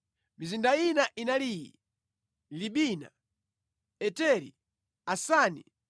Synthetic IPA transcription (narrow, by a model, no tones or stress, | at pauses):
mizindainaʔinaliːjḭ | liɓina̰ | ɛtɛɾḭ | asaːnḭ